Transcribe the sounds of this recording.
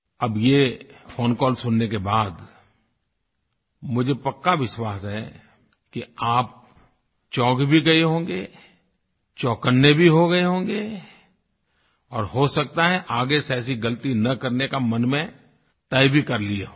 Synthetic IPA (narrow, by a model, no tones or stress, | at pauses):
ɐbjefoːnkɔːlsʊnːekebaːd̪ | mʊd͡ʒʱepɐkːaʋɪʃwaːsɦɛ | kiaːp̚ | t͡ʃɔːkbʱiɡɐeɦõːŋɡe | t͡ʃɔːkənːebʱiɦoɡɐeɦõːŋɡe | ɔːɾɦosɐk̚t̪aɦɛʔaːɡesɛːs̬iɡɐlt̪inɐkɐɾnekamɐnmẽ | t̪ɐɪbʱikɐɾlieɦ